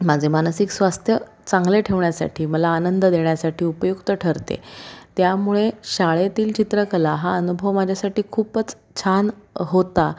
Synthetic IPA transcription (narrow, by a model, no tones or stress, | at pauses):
mad͡zʱemanəsiksʋast̪ʰjə | t͡sãŋɡleʈʰeʋɳjasa̰ʈʰiːməlaːnənd̪əd̪eɳjasaʈiːupəjukt̪əʈʰəɾt̪ḛt̪jamuɭeɕaɭet̪iːlt͡ɕit̪ɾəkəlaɦaənubʱəʋmad͡ʑʱjasaʈiːkʰuːpət͡s | t͡ɕʰanɦot̪a